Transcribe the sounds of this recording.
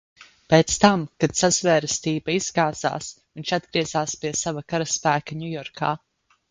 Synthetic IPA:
peːt̪st̪amkad̪sazvɛːɾɨst̪iːbaizɡaːz̥a̰ːsviɲʲʃad̪̚ɡɾiɛzaːspiɛsavakaɾaspæːkaɲʲujɔɾkʰa̰ː

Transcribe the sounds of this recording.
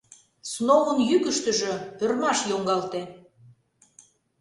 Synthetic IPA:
snoɣənjykə̆ʃt̪ə̆ʒø̆pørmɑʃjoŋɡɑlt̪e

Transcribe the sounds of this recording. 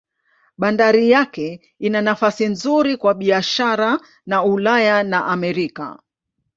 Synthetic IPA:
ɓandaɾijakɛ | inanafasinzuɾikwaɓiaʃaɾa | naulajanaʔamɛɾika̰

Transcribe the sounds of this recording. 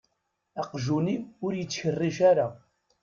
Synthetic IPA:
æqʒuniʊɾjət͡sːçərːiʃaɾa

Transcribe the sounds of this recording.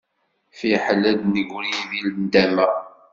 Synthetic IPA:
fiħəlːæd̪nəɡʷɾiivilnd̪æmə

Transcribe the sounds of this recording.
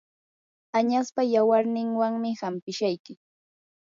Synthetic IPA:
aɲaspajawaɾnɪŋwaŋmɪhampɪʃajkɪ

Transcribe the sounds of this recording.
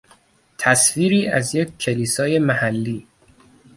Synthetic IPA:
t̪ʰæsviːɾiːʔæzjec̚kʰːe̞liːsɒːje̞mæhælːiː

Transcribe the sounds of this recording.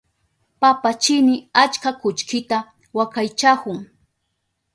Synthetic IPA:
papat͡ʃɪnɪat͡ʃkakʊt͡ʃkɪt̪a | wakajt͡ʃakʊŋ

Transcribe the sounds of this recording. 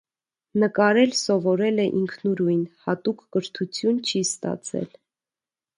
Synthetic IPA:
nəkɑɾɛlsɔvɔɾɛlɛʔiŋkʰnuɾujnhɑt̪ukːəɾt̪ʰut͡sʰjunt͡ʃʰist̪ɑ̰t͡sʰɛ̰l

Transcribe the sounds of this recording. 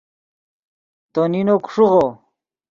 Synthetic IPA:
t̪oninokʂuʁo

